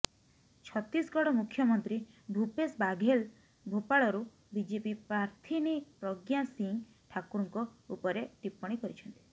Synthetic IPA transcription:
t͡ʃʰɔt̪ɾisɡɔɽɔmukʰjɔmɔnt̪ɾi | bʱupesbaɡʱel | bʱopaɭɔɾu | bid͡ʒepipɾaɾt̪ʰinipɾɔɡjasiŋ | ʈʰakuɾɔŋkɔupɔɾeʈipːɔɽ̃ikɔɾit͡ʃʰɔnt̪i̥

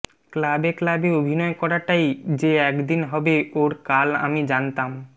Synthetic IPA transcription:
klabeklabeobʱinɔekɔɾaʈajd͡ʑeɛkd̪inɦɔbeoɾkala̰mid͡ʑant̪am

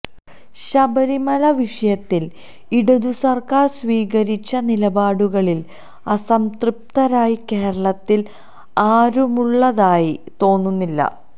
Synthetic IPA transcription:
ɕɐbɐɾimɐlɐʋiʂɐjɐt̪ːil | iɽuðusɐrkaːrsʋiːɣɐɾit͡ɕːɐnilɐbaːɽuɣɐɭil | ɐsɐmtrup̚t̪ɐɾaːjikeːɾɐɭɐt̪ːil | aːɾumuɭːɐðaːjit̪o̞ːnːunːilːɐ̰

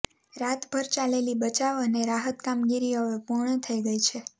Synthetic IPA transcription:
ɾat̪bʱəɾt͡ʃalelibət͡ʃaʋəneɾaɦət̪kamɡiɾiɦəʋepuɾɳət̪ʰəiɡəit͡ʃʰe

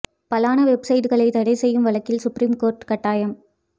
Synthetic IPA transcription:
pɐlaːnɐʋɛbsɐɪʈɣɐɭɐɪt̪ɐɽɐɪsɛjːɯmʋɐɭɐkːɪlsʊpɾiːmkoːɾʈkɐʈːaːjɐm

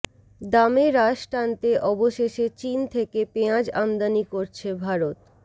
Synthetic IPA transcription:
d̪ameɾaʃʈant̪eʔɔboʃeʃet͡ɕint̪ʰekepeãd͡ʑamd̪anikoɾt͡ɕʰebʱaɾot̪

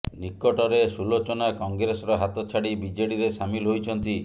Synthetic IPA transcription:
nikːɔʈɔɾesulot͡ʃɔnakɔŋɡɾesɔɾɔɦat̪ɔt͡ʃʰaɽibid͡ʒeɽiɾesamilɦojt͡ʃʰɔnt̪i

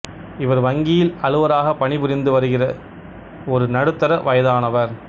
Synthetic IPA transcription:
ɪʋɐɾʋɐŋɡɪjɪlɐɻɯʋɐɾaːɣɐpːɐɳɪbɯɾɪnd̪ɯʋɐɾɯɣɪrɐ | ɔɾɯnɐɽɯt̪ːɐɾɐʋɐjɐðaːnɐʋɐɾ

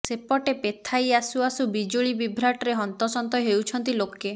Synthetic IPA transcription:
sepɔʈepet̪ʰajasuasubid͡ʒuɭibibʱɾaʈɾeɦɔnt̪ɔsɔnt̪ɔjɦewt͡ʃʰɔnt̪iloke

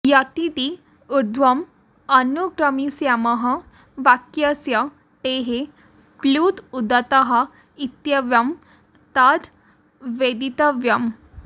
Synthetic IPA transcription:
jat̪id̪i | uɾd̪ʱʋɐm | ɐnuɡɾəmisjaməɦɐ | ʋakjəsja | ʈ̪eɦe | plut̪ud̪ət̪əɦa | it̪jəʋjɐm | t̪ad̪ | ʋed̪it̪əʋjɐm

